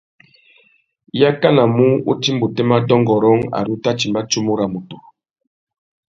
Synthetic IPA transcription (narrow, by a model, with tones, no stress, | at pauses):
ja˦ka˦na˨mu˦ṵ˦ti˦mbu˨tɛ˦ma˦dɔ˦ŋɡɔ˨ɾɔ˦ŋa̰˨ɾu˦ta˦t͡ʃi˨mba˦t͡ʃu˦mu˦ɾa˨mu˨tɔ˨